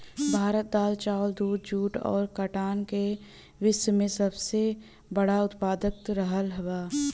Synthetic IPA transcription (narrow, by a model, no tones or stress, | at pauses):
bʱaːɾət̪̚d̪aːlt͡ʃaːld̪uːd̪̚d͡ʒuːʈɔ̰ːɾkəʈaːnke | ʋɪswəmẽsɐbse | bɐɽaʊt̪paːd̪ək̚t̪ɾəɦəlɦɐʋaː